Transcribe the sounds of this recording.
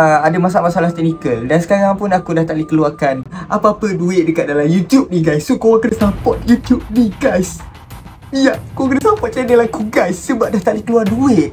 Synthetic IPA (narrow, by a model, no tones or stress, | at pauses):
əadamas̬amasalaht̪ɛnikəldansə̥kaɾaŋpunakudat̪aʔ̚dikəluakanʔapaapəduɪt̪̚dəkat̪̚dalajut̪jup̚niɡajsːokowaŋkənasapɔt̪̚jut̪jup̚niɡajs | jaʔkoŋkənasapɔt̪̚t͡ʃajdalahkuɡajsːəbap̚daht̪aʔ̚dikəluarduɪʔ̪̚